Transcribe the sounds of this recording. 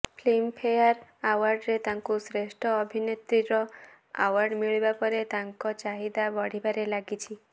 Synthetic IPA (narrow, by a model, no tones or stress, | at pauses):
pʰlimpʰejaɾawaɾɖɾet̪aŋkusɾesʈʰɔːbʱinet̪ɾiɾɔ | a̰waɾɖmiɭibapɔɾet̪aŋkɔt͡ʃaɦid̪abɔɽ̤ibaɾelaɡit͡ʃʰi